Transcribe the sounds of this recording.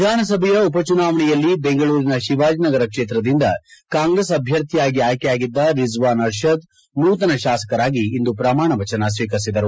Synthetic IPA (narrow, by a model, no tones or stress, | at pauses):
ʋid̪ʱaːnɐsɐbʱɛjɐupɐt͡ʃunaːʋɐɳɛjɐlːibeŋɡɐɭuːɾinɐʃiʋaːd͡ʒnɐɡɐɾɐkʂeːt̪ɾɐd̪ind̪ɐkaːŋɡɾesɐbʱjɐɾt̪ʰijaːɡiaːjkɛjaːɡid̪ːɐɾizʋaːnɐɾʃɐd̪̚ | nuːt̪ɐnɐʃaːsɐ̥kɐɾaːɡiːnd̪upɾɐmaːɳɐʋɐt͡ʃɐnɐs̬ʋiːkɐɾsid̪ɐɾu